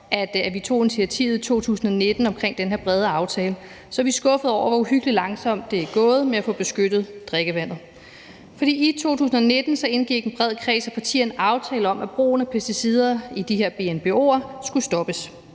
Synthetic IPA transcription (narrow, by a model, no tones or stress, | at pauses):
ʔæd̥æʋit͡sʰo̝̰ːe̝nit͡sʰiæt͡sʰḭːʊð̩ˠit͡sʰo̝̰ːt͡sʰṵːsn̩ɒne̝d̥n̩ɒ̽mkʰʁeŋ̰d̥enɦeɐb̥ʁɛð̞ˠəɑ̈ʊt͡sʰɛːlə | sɒʋisɡ̥ɔ̽fəð̩ˠɒ̰ʊ̰ɐʋɒuhyɡ̥əlilɑ̈ŋsɒ̽m̰d̥ːe̝æɡ̥ɔ̽ːð̞̩ˠmeæfɔ̽b̥e̝sɡ̥ød̥ð̞̩ˠd̥ʁeɡ̥əʋæn̰ð̩ˠ | fɒ̽d̥ḭːit͡sʰo̝̰ːt͡sʰṵːsn̩ɒ̽ne̝d̥n̩sɒ̽e̝nɡ̥iɡ̥en̩b̥ʁɛð̞̰ˠkʰʁɛ̰ːsɒpʰɑ̈t͡sʰḭːɐnɑ̈ʊt͡sʰɛːləɒ̽mʔæb̥ʁo̝̰ːnəpʰæsd̥isið̞ˠɐid̥iɦeɐ̰b̥e̝enb̥e̝o̝̰ːɐsɡ̥usd̥ɒ̽b̥əs